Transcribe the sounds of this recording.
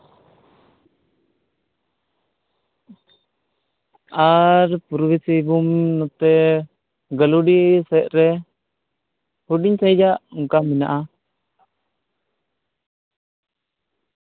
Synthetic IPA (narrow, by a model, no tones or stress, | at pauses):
aɾpuɾwisibumnɔt̪ɛ | ɡəluɖisɛt̪̚ɾɛ | huɖiɲsɛ̃jd͡ʒaʔuŋkamɛnaʔa